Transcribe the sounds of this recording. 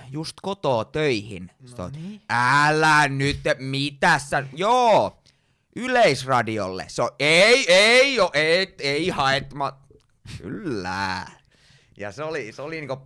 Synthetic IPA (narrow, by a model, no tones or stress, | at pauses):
just̪kot̪oːt̪øihḭnst̪o̰æːlːæːnnyt̪ːmit̪æsːæjoː | ʔyleisrɑdio̰lːḛseoeieijoʔet̪eihɑet̪mɑ | ky̰lːæ̰ː | jɑ̰seoliseoliniːŋko